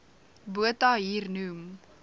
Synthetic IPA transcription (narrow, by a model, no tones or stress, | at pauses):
buətɐɦiːrnum